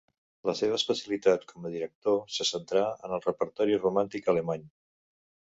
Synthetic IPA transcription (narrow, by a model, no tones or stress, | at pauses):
ləseβ̞əspəsjəlit̪at̪kʰɔməðiɾək̚t̪osəsənt̪ɾaə̰nəlˠrəpəɾt̪ɔɾirumant̪ikələmaɲ